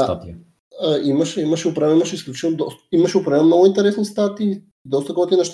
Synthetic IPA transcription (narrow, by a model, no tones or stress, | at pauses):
a̰t̪ | imɐʃɛimɐʃɛupɾavɛimɐʃɛisklʲut͡ʃit̪ɛlˠod̪ɔsimɐʃɛupɾavɛlmnoɡoint̪ɛɾɛsnist̪at̪iː | d̪ɔst̪ɐkɔt̪inɐʃt̪